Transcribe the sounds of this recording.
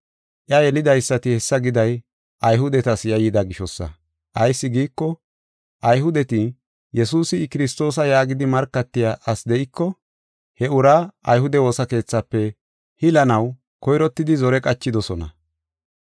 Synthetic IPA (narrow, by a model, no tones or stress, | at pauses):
ʔjɐjɛlɪd̪ɐjsːɐt̪ɪhɛsːɐɡɪd̪ɐj | ʔɐjɦʊd̪ɛt̪ɐsjɐjɪd̪ɐɡɪʃɔsːɐ̰ | ʔɐjsːɪɡiːkːɔ | ʔɐjɦʊd̪ɛt̪ɪ | jɛsuːsɪkɪɾɪst̪o̞ːs̬ɐjaːɡɪd̪ɪmɐɾkːɐt̪ːɪjaʔɐsd̪ɛʔɪkːɔ | hɛʊɾaːɐjhʊd̪ɛwo̞ːsɐke̞ːt͡sːɐpːɛ | hɪlɐnɐw | kɔjɾɔt̪ːɪd̪ɪzɔɾɛkʼɐt͡ʃːɪd̪ɔsɔnɐ̰